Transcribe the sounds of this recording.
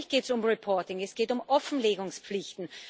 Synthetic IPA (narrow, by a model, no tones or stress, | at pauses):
çɡ̥eːtsʊmʁipʰɔɐtɪŋɛsɡ̥eːtʊmʔɔfn̩leːɡʊŋspp͡flɪçtn̩